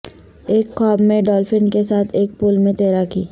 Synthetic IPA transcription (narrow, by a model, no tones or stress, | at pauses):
eːkːaːbmẽɖɔːlfɪnkesaːt̪ʰeːk̚puːlmẽt̪eːɾakiː